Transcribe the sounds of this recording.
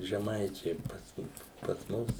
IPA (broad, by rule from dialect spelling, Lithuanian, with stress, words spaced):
ʒʲɛˈmɐɪt͡ʃʲɛɪ pɐs pɐs ˈmʊs